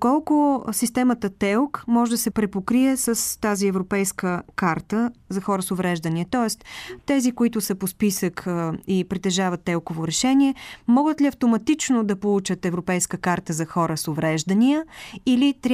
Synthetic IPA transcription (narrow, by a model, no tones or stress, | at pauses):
kɔlˠkʊsist̪ɛmət̪ət̪ɛlˠkmɔʒɛd̪ɐsɛpɾɛpokɾiɛsəst̪aziɛvɾopɛjskəkaɾt̪əzɐxɔɾəsovɾɛʒd̪əniɛt̪ɔɛst̪t̪ɛzikoit̪ʊsəpospisəkʰːipɾit̪ɛʒavət̪ːɛlˠkovoɾɛʃɛniɛmɔɡət̪liɐft̪omɐt̪it͡ʃnod̪ɐpolˠut͡ʃət̪ɛvɾopɛjskəkaɾt̪əzɐxɔɾəsovɾɛʒd̪əniəilit̪ɾʲ